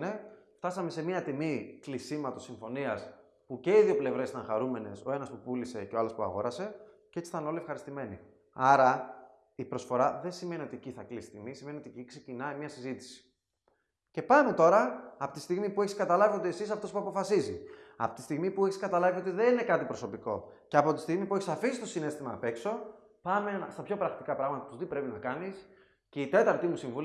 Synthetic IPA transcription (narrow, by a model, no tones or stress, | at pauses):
ne̞ft̪ɐsɐme̞se̞miɐt̪imiklisimɐt̪o̞siɱfo̞niɐs | puce̞iðiople̞vɾesit̪ɐŋxɐɾume̞ne̞so̞e̞nɐspupulise̞ceoɐlospuɐ̰ɣo̞̰ɾɐse̞ | cee̞t͡si̥θɐnoliefxɐɾist̪ime̞nḭ | ɐɾɐ | ipɾo̞sfo̞ɾɐðensime̞nio̞t̪ieciθɐklisi̥it̪imisime̞nio̞t̪iecikse̞cinɐimɲɐsizit̪i̥si̥ | ce̞pɐme̞t̪o̞ɾɐːpot̪ist̪iɣmipue̞çiskɐt̪ɐlɐviod̪eesisɐpot̪opuɐpofɐsiziɐ̰po̥t̪i̥st̪iɣmipue̞çiskɐt̪ɐlɐvio̞t̪iðenine̞kɐt̪ipɾo̞so̞piko̞ | ceɐpo̞t̪i̥st̪iɣmipue̞çi̥sɐfisist̪o̞sine̞st̪imɐ̰pe̞kso̞ | pɐmest̪ɐpço̞pɾɐɣɐt̪ikɐpɾɐɣmɐt̪ɐt̪uzt̪ipɾe̞pinɐkɐnis | ce̞it̪e̞t̪ɐɾt̪imusiɱvul